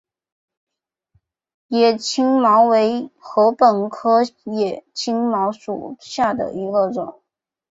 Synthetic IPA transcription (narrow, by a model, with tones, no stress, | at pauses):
jɛ˨˩t͡ɕʰi˥ŋmɑ˧˥ʊwe˧˥ɪxɤ˧˥pə˨˩nkʰɤ˥jɛ˨˩t͡ɕʰi˥ŋmɑ˧˥ʊʂṵ˨˩ɕja˥˩d̪ə̰˩i˧˥ɡə˧ʈ͡ʂʊ˨˩˦ŋ